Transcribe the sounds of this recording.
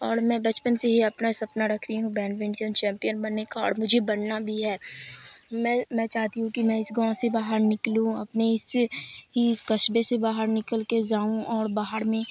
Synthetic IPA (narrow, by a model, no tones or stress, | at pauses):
ɔːɾmɛ̃ːbɐt͡ʃpənseɦiɐpnaɪsɐpnaɾɐkʰt̪iɦũbɛ̃ːnʋɪ̃ɳsənt͡ʃɛ̃ːmpijənbɐnːekaɔːɽmʊd͡ʒʱebɐnnabʱiɦɛː | mɛ̃mɛ̃ːt͡ʃaːɦt̪iɦũkimɛ̃ɪsɡãːsebaːɦəɾnɪklũɐpneɪsɦikɐʃbesebaːɦəɾnɪkəlked͡ʒaːũɔːɾbaːɦəɾmẽ